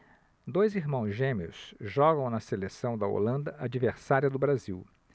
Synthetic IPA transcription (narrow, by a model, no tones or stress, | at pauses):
d̪ojziɾmɐ̃w̃zʒẽmiʊ̰sʒɔɡɐ̃w̃nɐselesɐ̃w̃d̪ɐo̰lɐ̃nd̪ɐʔad͡ʒiveɾsaɾiɐd̪ʊbɾaziw